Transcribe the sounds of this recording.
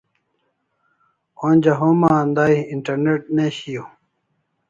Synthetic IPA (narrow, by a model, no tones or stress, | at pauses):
onʲd͡ʑɐɦomaːnd̪aiiɳʈɐɾneʈ̚neɕijo